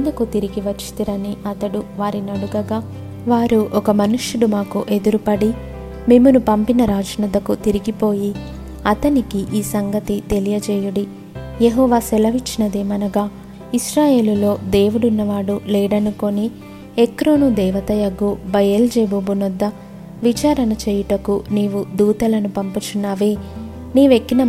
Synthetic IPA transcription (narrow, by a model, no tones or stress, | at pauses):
nd̪ukut̪iɾiɡiʋɐt͡ʃːi̥t̪iɾɐniɐt̪ɐɽuʋaːɾinɐɽuɡɐɡaː | ʋaːɾuʔɔkɐmɐnuʃuɽumaːkuʔe̞d̪uɾupɐɽi | me̞ːmunupɐmpinɐɾaːd͡ʒɐnud̪ɐkut̪iɾiɡipo̞ːji | ɐt̪ɐnikiʔiːsɐŋɡɐt̪it̪e̞lijɐt͡ʃɛːjuɽi | jeɦɔːʋaːsɛlɐʋit͡ʃːinɐd̪eːmɐnɐɡaː | iʃɾaːje̞ːlulo̞ːd̪e̞ːʋuɽunːɐʋaːɽulɛːɽɐnuko̞ni | ekɾoːnud̪ɛːʋɐt̪ɐjɐɡubɐjeld͡ʒeːbobunud̪ːɐ | ʋit͡ʃaːɾɐnɐt͡ʃɛːjuʈɐkuniːʋud̪uːt̪ɐlɐnupɐmpɐt͡ʃunːaːʋe̞ː | niːʋekːinɐ